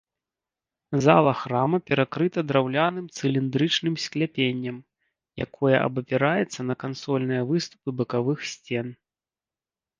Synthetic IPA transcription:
zalˠɐxɾamɐpʲɛɾakɾɨt̪ɐd̪ɾawlʲanɨmt̪sɨlʲind̪ɾɨt͡ʂnɨmsʲklʲapʲenʲːɐm | ja̰kʰɔjɐʔɐ̰bɐpʲɛɾajɛt̪sːɐnɐkansɔlʲnɨjɐvɨst̪u̥pɨbɐkavɨxsʲt͡sʲɛn

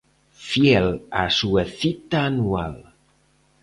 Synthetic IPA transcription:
fjɛlasuəθit̪aːnua̰l

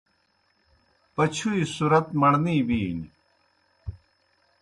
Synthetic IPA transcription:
pɐt͡ɕʰuisuɾɐt̪mɐɳniːbiːni

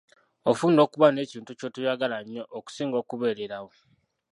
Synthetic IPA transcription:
ofuːndo̞ːkuβane̞ːciːntuco̞tujaɡalaɲːo̞ʔːku̥siːŋɡo̞ːkuβe̞ːɾeɾawo

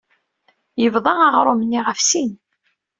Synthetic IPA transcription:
jəvðˤɑɑʁɾˤomənːiʁəfsin

